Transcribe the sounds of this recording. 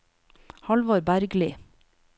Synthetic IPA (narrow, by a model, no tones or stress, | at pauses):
hɑlʋoːɾbæɾɡlɪ